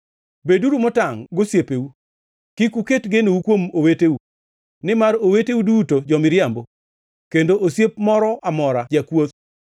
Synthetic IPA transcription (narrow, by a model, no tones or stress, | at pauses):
beduɾumɔtaŋɡosjepewu | kikuketɡenowukwomoweteu | nɪmaɾowetewudutod͡ʒɔmɪɾjambo | kendoʔosjepmɔɾɔʔamɔɾad͡ʒakwot̪